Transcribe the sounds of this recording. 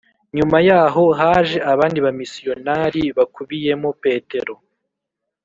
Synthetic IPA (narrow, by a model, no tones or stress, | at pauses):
ɲumajaːɦo̞ɦaːʒe̞ʔaβaːndiβamisijo̞naɾiβakuβije̞mope̞ːte̞ɾo̞